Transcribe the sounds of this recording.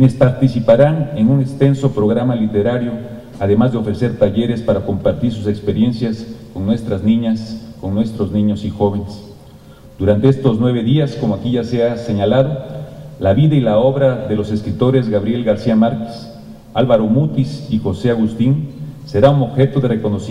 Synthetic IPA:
enespaɾt̪isipaɾane̞nuŋekst̪e̞nso̞pɾo̞ɣɾamalit̪e̞ɾaɾjo̞ | aðe̞mazðeo̞fɾe̞se̞ɾt̪aʝe̞ɾe̞spaɾako̞mpaɾt̪iɾs̬use̞kspeɾje̞nsjasko̞ŋnwe̞st̪ɾaznĩɲasko̞ŋnwe̞st̪ɾo̞znĩɲo̞sixo̞βe̞nes | d̪̥uɾant̪eest̪o̞znwe̞β̞e̞ðiasko̞moakiʝaseaseɲalaðo̞laβiðailao̞βɾaðe̞lo̞se̞skɾit̪o̞ɾe̞zɣaβɾje̞lɣaɾsiamaɾke̥s | alβaɾo̞mut̪isixo̞se̞aɣust̪inse̞ɾauno̞βxe̞t̪o̞ðe̞reko̞nosi

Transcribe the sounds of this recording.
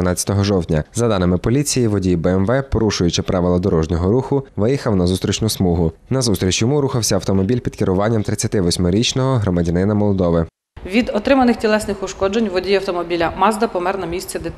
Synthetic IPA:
nɑt͡sʲɐ̥t̪ɔɦɔʒɔwt̪ʲnʲɐzɐd̪ɑnɪmɪpɔlʲit͡sʲijiʋɔdʲijbɛɛmʋɛpɔɾuʃʊjʊt͡ʃɪpɾʔɑʋɪlˠɐd̪ɔɾɔʒnʲɔɦɔɾuxʊʋɪjixɐwnɐzust̪ʲɾʲit͡ʃnʊsmuɦʊnɐzust̪ɾʲit͡ʃjɔmuɾuxɐwsʲɐɐwt̪ɔmɔbʲilʲpʲid̪kɪɾʊʋɑnʲːɐmt̪ɾɪt͡sʲɐt̪ɪʋɔsʲmɔɾʲit͡ʃnɔɦɔɦɾɔmɐdʲɐnɪnɐmɔlˠɔd̪ɔʋɪ | ʋʲid̪ɔt̪ɾɪmɐnɪxtʲilˠɛsnɪxʊʃkɔd͡ʒenʲʋɔdʲijɐwt̪ɔmɔbʲilʲɐmɑzd̪ɐpɔmɛrnɐmʲisʲt͡sʲɛd̪ɪt̪

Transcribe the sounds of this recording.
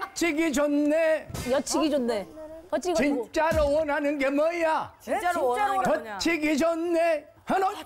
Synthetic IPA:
t͡ɕʰiɡid͡ʑonːejʌt͡ɕʰiɡid͡ʑonːet͡ɕit͡ɕint͡ɕ͈aɾowʌnɦanɯnɡemʌat͡ɕ | kʌt͡ɕʰiɡid͡ʑʌnːe | hʌno

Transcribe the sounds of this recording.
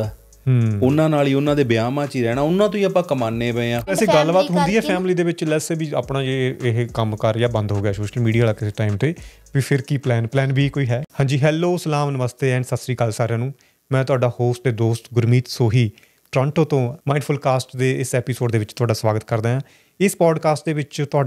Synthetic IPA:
ʊnãːnaːliːʊnːãːd̪eːbɪjaːmãːt͡ʃiːɾɛːɽ̃aːʊnːãːt̪̬õĩːapãːkəmaːneːbɛeãːɛːsĩːɡəlbaːt̪ɦʊ̃nd̪iːɦɛːpʰɛːmliːd̪eːʋɪt͡ʃlɛsebiːa̰ːpɽãːd͡ʒeːɪɦkəmkəɾjaːbə̃nd̪ɦoːɡɪjaːsoːʃəlmiːɖijaːlaːkɪseːʈaːɪimt̪eː | ʋiːpʰɪɾkiːplɛːnplɛːnbiːkoːiːɦɛːhãːɲd͡ʒiːɦɛːlːoːsəlaːmnəməst̪eːɛ̃ːɳɖsəsɾiːkəlsaːɾãːnũː | mɛ̃ːt̪ʊaːɖaːhoːsʈ̪eːd̪oːst̪ɡʊɾmiːt̪soːɦiː | ʈɾə̃ːɳʈõːt̪õːmaːɪnpʰʊlkaːsʈd̪eːɪsɛːpiːsoːɖd̪eːʋɪt͡ʃt̪ʊaːɖaːsʋaːɡət̪kəɾd̪ãːjãː | ɪspɔːɖkaːsʈd̪eːʋɪt͡ʃt̪ʊaː

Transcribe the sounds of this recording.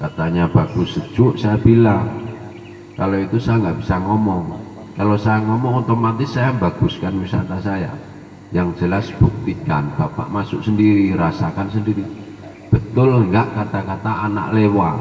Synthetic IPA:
kat̪aɲab̥aɡ̥usə̥d͡ʒ̥ʊʔsajabilaŋ | kaloit̪usajaŋɡaʔb̥isaŋɔmɔŋ | kalosajaŋɔmɔŋut̪omat̪ɪsːajambaɡ̥uskanwisa̰t̪asaja̰ | jaŋd͡ʒəlasb̥uk̚t̪ika̰nb̥apa̰ʔmasʊ̰ʔsəndiɾiɾasakansəndiɾi | b̥ə̤t̪ʊlŋɡaʔkat̪akat̪aːna̰ʔlewa

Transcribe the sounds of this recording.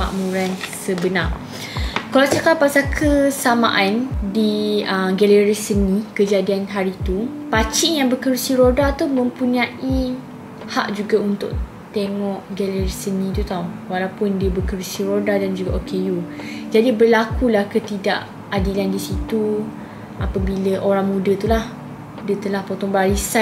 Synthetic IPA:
ma̰ʔmũɾansəbəna | kalasakapasakʰəsama̰ʔandiəɡɛləɾisənĩkəd͡ʒadianɦaɾit̪upat͡ʃɪŋjaŋbəkəɾsiɾodat̪umə̃mpuɲãʔi | ha̰ʔd͡ʒuɡaunt̪ʊ̰ʔ | t̪eŋɔʔɡɛliɾisənĩt̪ut̪awwalawpʊndiəbəkəɾsiɾodadand͡ʒuɡaʔokejud͡ʒadibəlakulahkət̪ida̰ʔ | adilandisit̪u | apabiləʔoɾaŋmũdət̪ulah | diət̪əlahpot̪ɔŋbaɾisa

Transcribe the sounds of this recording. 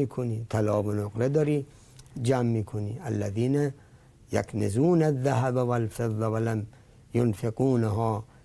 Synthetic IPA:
iːkʰoniːt̪ʰalɒːbonoqɾed̪ɒːɾiː | d͡ʒæːmːiːkʰonḭːælːæðiːnæ | ja̰knezuːnaðːaɦæbawalfeðˤːaʋalam | jonfequːnaɦɔː

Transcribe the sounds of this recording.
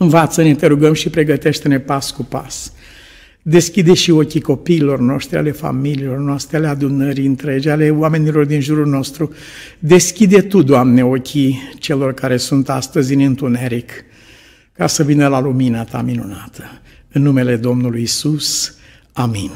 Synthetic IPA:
ɨnvat̪səne̞t̪e̞ɾuɡəmʃipɾe̞ɡət̪e̞ʃt̪e̞ne̞paskupa̰s | d̪e̞skʲid̪eʃio̞kʲiko̞piːlo̞rno̞ʃt̪ɾia̰le̞fa̰miliːlo̞rnoast̪ɾʲialead̪unəɾiɨnt̪ɾed͡ʒale̞oame̞nilo̞rd̪inʒuɾulno̞st̪ɾu | d̪e̞skʲid̪e̞t̪ud̪oamne̞o̞kʲit͡ʃe̞lo̞rkaɾe̞sunt̪ast̪əzʲɨnɨnt̪uneɾik | kasəvinəlaluminat̪a̰minunat̪ʰə̥ | ɨnːume̞le̞d̪o̞mnulujisus | amin

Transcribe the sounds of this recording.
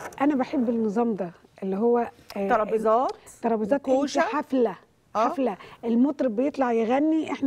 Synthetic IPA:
ʔænæbaħebːenːɨzˤɑːmd̪æː | ʔelːiɦowːæ | ɑzɑːt̪ːɑɾˤɑbezˤɑːt̪wenʃiħaflæ | ʔħaflæʔelmot̪ˤɾˤbɪjet̪ˤlɑʕjɪɣænːiʔeħn

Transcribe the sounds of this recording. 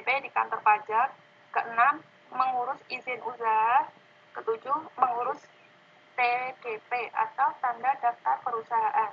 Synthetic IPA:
pedika̰nt̪ɔrpad͡ʒar | kəʔənamː | əŋuɾʊsizɪnʔus̬aɦa | kət̪ud͡ʒʊhməŋuɾʊs | t̪eɡ̥epeʔa̰t̪awt̪andadaft̪arpəɾusaɦaʔan

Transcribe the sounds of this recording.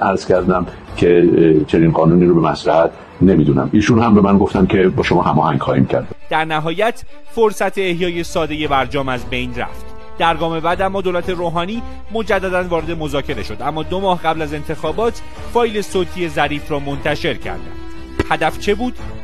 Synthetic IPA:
æɾz̥cæɾd̪æm | cʰe̞t͡ʃʰe̞niːnɢɒːnuːniːɾobemæsɾæhæt̪ʰ | ne̞miːd̪unæ̰miːʃunhæmbe̞mænɡoft̪æmkcʰe̞bɒːʃomɒːhæmɒːhæŋɡχɒːhḭːmcʰæ̰ɾd̪d̪̥æɾnæɦɒːjæt̪ʰ | foɾsæt̪ʰeːhjɒːje̞sɒːd̪e̞je̞bæɾd͡ʒɒːmæzbe̞jnræ̰ft̪ | d̪̥æɾɡɒːme̞bæd̪æmːɒːd̪oːlæt̪ʰe̞ɾoːɦɒːniː | mo̞d͡ʒæd̪ːæd̪ænvɒːɾe̞d̪emo̞zɒːcʰe̞ɾe̞ʃo̞d̪æmːɒːd̪omɒːhɢæblæze̞nt̪ʰe̞xɒːbɒːt̪ʰ | fɒːjle̞soːt̪ʰiːje̞zæɾiːfrɒːmo̞nt̪ʰæʃe̞ɾcʰæ̰ɾd̪æ̰nd̪̥ | hæd̪æft͡ʃʰe̞buːd̪̥

